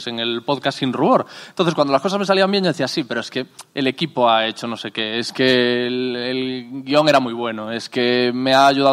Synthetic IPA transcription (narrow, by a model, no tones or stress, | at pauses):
seŋe̞lpoðkasːinruβoɾent̪onθekwand̪olaskos̬azme̞s̬aliambjenɲoeθiasipe̞ɾoeskeele̞kipoaet͡ʃono̞se̞keeske | elɡio̞ŋeɾamujβ̞we̞noe̞skemeaːʝuða